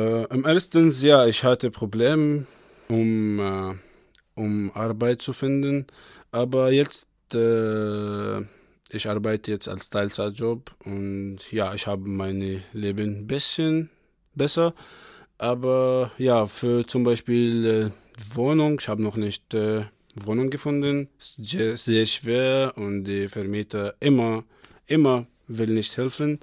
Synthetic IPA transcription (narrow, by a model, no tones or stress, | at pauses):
ʔamɛɐstənsjaːɪçhatəpʁ̥obleːm | ʔʊm | ʔʊmʔaɐbaɪt̚t͡sufɪndən | ʔaːbɐjɛt͡st | ɛː | ʔɪçʔaɐbaɪtəjɛt͡sta̰lstʰaɪlt͡sad͡ʒɔpʔʊntjaːɪçhaːbəmaɪnleːbənbɪsçən | bɛsɐʔaːbɐjaːfyːɐt͡sʊmbaɪʃpiːlɛd̥ivoːnʊŋɪçhaːbənɔχnɪçtɛ | voːnʊŋɡəfʊndənszeːɐsz̥eːɐʃv̥eːɐʊntd̥iːfɛɐmiːtʰɐʔɪmɐ | ʔɪmɐ | vɪlnɪçthɛlfən